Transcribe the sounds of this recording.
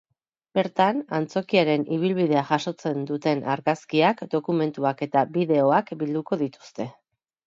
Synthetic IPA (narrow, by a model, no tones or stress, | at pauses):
be̞ɾt̪anant͡so̞kiaɾe̞niβ̞ilβiðe̞aʝaʃo̞t͡se̞nd̪ut̪e̞nʔa̰ɾɣaskiakd̪o̞kume̞nt̪uake̞t̪abiðe̞o̞akbild̪uko̞ð̞it̪u̥st̪e̞